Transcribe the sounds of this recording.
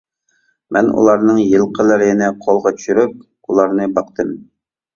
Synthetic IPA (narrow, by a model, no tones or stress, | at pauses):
mɛnṵlˠɑɾnɨŋjɨlˠqʰəlˠəɾɪɪnɛqʰolˠʁɑt̪ʰy̥ʃyɾyp̚ | ulˠɑɾnɨbɑqt̪ɨm